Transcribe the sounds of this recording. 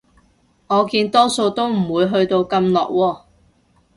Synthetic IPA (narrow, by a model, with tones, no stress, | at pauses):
ŋɔː˨˧kiː˧nt̪ɔː˥so˧wt̪o˥wm̩˨˩wuː˨˧jɦɵ˧ɥt̪o˧wkɐ˧mlɔ̰ː˨k̚wɔː˧